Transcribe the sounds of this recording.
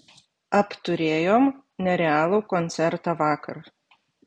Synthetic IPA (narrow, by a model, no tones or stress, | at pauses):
ɐpt̪ʊɾʲeːjoːm | nʲɛɾʲɛɑːlˠoːkɔnʲsʲɛɾt̪ɑːʋɑːkɐɾ